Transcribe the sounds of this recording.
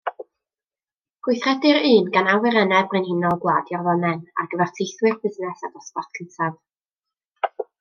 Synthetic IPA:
ɡ̥wɪjθrɛdɨɾɨːnɡanawɪɾɛnɛbrɨnhɪnɔlˠɡwaːdjɔrvɔnɛna̰ɡəvɛrtʰejθwɨrbɪznɛsad̥ɔspɔθkʰəntʰav

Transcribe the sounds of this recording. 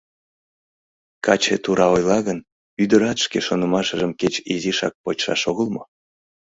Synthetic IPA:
kɑt͡ɕḛt̪uɾɑojlɑɣən | yd̪əɾɑt̪ʃkeʃonəmɑʃəʒəmket͡ɕiziʃɑ̰k̚pot͡ɕʃɑ̰ʃoɣəlˠmo

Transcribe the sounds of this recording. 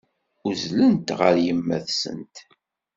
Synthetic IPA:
uzlənt̪ʁəɾjəmːæðsə̰nt̪

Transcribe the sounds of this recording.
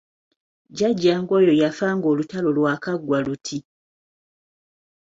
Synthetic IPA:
ɟaɟːaːŋɡo̞ːjo̞jafaːŋɡo̞ːlutalo̞lwakaɡwalutʰi

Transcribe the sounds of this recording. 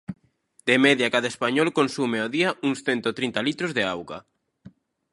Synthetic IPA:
d̪emɛðjakaðaespaɲɔlkonsumeoðiauŋsθɛnt̪ot̪ɾint̪alit̪ɾozðeawɣa̰

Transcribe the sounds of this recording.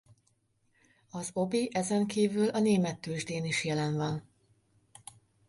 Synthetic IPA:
ɒzobiʔɛzɛŋkiːvylɒneːmɛt̪ːøːʒd̪eːniʃjɛlɛnvɒn

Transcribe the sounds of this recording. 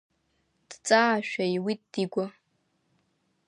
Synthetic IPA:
d̥t͡sʼaʃᶣaiwid̥iɡʷa

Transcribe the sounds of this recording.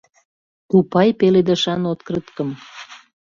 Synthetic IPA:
kupɑjpeled̪ə̆ʃɑnot̪kɾət̪kə̆m

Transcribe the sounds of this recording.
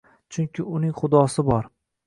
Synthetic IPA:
t͡ʃʰʊŋkʲɪʊnɪŋχʊd̪ɒsɪbɒɾ

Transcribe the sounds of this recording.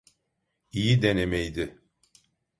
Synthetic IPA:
ijid̪enemɛjd̪ɪ

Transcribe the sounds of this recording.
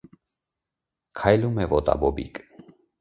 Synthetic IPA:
kʰɑjlumɛvɔt̪ɑ̰bɔbḭkʼ

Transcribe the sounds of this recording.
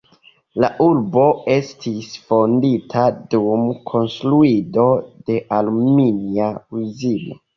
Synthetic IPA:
laʔuɾbo̞e̞stʰisfo̞nditʰadumkʰo̞nstɾuido̞de̞ʔaluminiauzilo

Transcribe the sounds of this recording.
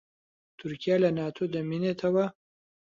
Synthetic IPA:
t̪ʊɾkijalanɑt̪ʰod̪əminet̪ʰawa

